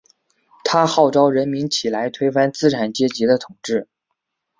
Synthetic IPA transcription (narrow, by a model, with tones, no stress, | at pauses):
t̪ʰa˥xɑ˥˩ʊʈ͡ʂɑ˥ʊɻə˧˥nmi˧˥nt͡ɕʰi˨˩la˧˥ɪt̪ʰwe˥ɪfa˥nt͡sɹ̩˥ʈ͡ʂʰa˨˩nt͡ɕjɛ˥t͡ɕi˧˥d̪ə˧t̪ʰʊ˨˩ŋʈ͡ʂɻ̩˥˩